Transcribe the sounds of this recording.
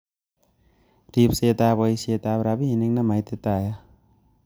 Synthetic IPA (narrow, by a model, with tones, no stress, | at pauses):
ɾip̚se˧t̪a˧bɔ˧jse˧t̪a˧pɾa˧bi˦ini˧ŋnama˧jt̪e˧t̪aja